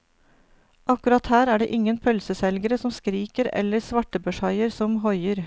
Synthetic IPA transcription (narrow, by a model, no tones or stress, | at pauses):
ʔɑkʉɾɑt̪hæːɾæːɖḛʔɪŋənpʰœlsəsɛlɡəɾəsɔmskɾiːkəɾɛ̰ləɾsʋɑʈəbəʃɑɪəɾsɔmɦɔʏəɾ